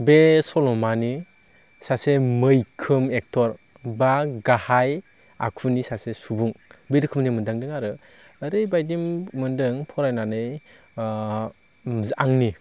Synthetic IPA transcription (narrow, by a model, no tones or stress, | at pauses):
besɔlɔmani | sasemɯjkʰɯmek̚tʰɔɾ | baɡahaj | a̰kʰunisasesubuŋbeɾɯkʰɯmdimɯndaŋdɯŋaɾɯː | ɾɯjbajdimmɯndɯŋpʰɔɾajnanɯj | zaŋni